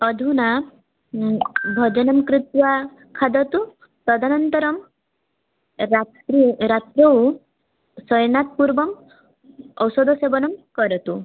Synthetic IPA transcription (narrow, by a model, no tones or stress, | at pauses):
ɔd̪ʱuna | bʱɔd͡ʒɔnɔmkɾit̪wa | kʰad̪ɔt̪u | pɾɔd̪ʱanɔnt̪ɔɾɔm | ɾtɾat̪ɾɔw | sɔjnat̪̚puɾbɔm | ɔwsɔd̪ʱɔsebɔnɔmkɔɾɔt̪u